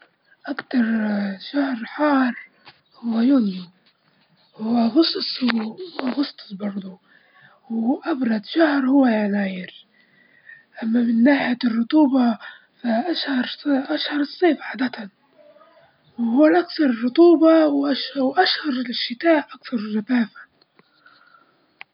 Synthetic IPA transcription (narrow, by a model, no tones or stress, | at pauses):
ʔakt̪ɑɾˤʃahɾħɑːɾˤ | hʊwːajunjʊm | ɣʊsˤsˤ | ɣʊst̪ˤsbɑɾˤd̪ˤu | wʔabɾˤɑd̪ʃahɾˤhʊwːajanaːjɪɾ | ʔamːamɪnːaːħjarˤːʊt̪ˤuːbɑ | faʔaʃhɑɾˤʔaʃhɑɾˤɨsˤːeːfʕad̪at̪a | whʊːlʔakθɑɾˤrˤːʊt̪ˤuːbɑwʔawʔaʃhɑɾˤʃːɪt̪aːʔʔakθɑɾˤʒataːfḁ